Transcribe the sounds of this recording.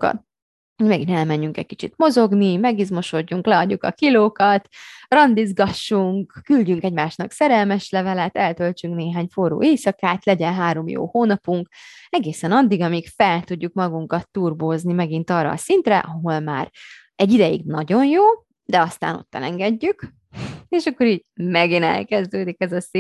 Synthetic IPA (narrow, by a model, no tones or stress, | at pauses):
omɛɡinɛlmɛɲːyŋkɛ̰ckit͡ʃit̪mo̞zo̞ɡnimɛɡizmo̞ʃo̞ɟːuŋklɛɒɟːukɒkiloːkɒt̪rɒnd̪izɡɒʃːuŋkːylɟyŋkɛɟmaːʃnɒksɛɾɛlmɛʃlɛvɛlɛt̪ɛlt̪ølt͡ʃyŋkneːɦaːɲforṵːʔeːsɒkaːt̪lɛɟɛnɦaːɾo̞mjo̰ːhoːnɒpuŋkɛɡeːsɛnɒd̪ːiɡɒmikfɛlt̪uɟːukmɒɡuŋkɒt̪ːuːrboːznimɛɡint̪ɒːrːɒ̰ːsint̪rɛ̰ʔɒɦo̞lmaːr | ɛɟːid̪ɛjḭɡnɒɟo̞njoː | d̪ɛɒst̪a̰ːno̞̰t̪ːɛ̰lɛŋɡɛɟːyk | eːʃɒkːo̞ɾiːɟmɛɡinɛ̰lkɛzd̪øːd̪ikɛzɒsi